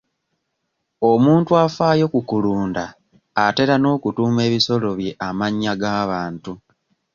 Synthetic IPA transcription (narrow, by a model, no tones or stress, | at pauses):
o̞muːntuafaːjo̞kukuluːndaː | te̞ɾano̞ːkutuːme̞ːβiso̞lo̞βjiʔamaɲːaɡaːβaːntu